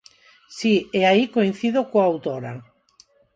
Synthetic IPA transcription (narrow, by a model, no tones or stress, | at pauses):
sieaikoin̟θiðokoawt̪oɾa̰